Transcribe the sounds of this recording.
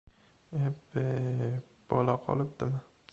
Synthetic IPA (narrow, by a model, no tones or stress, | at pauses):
eb | b̥ɒlaqʰɒ̰lˠɪp̚d̪̥ɪmɪ